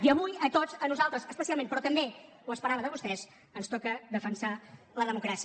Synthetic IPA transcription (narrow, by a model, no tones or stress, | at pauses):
iəβujət̪ozənuzalˠt̪ɾəzəspəsialˠmenpɾɔt̪əmbe | uəspəɾaβəðəβust̪ɛz | ənst̪ɔkəðəfənsa | ləðəmukɾasi